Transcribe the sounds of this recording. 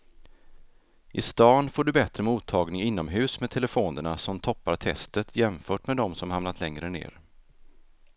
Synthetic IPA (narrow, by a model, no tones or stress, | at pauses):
ʔɪst̪ɑːnfoːɖɵbɛt̪ɾəmuːt̪ʰːɑːɡnɪŋɪnːɔmɦʉ̟ːsmet̪ʰɛləfoːnəɳasɔmt̪ʰɔpːat̪ʰɛ̰st̪ət̪ʰjɛmfœːʈmed̪ɔmsɔmhamnat̪ʰlɛŋɾənḛːɾ